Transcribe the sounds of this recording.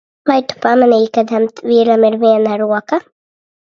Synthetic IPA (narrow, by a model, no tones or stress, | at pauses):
vajt̪u̥pamanɛjkad̪ɛmt̪viːɾamiɾviɛnaɾuɔka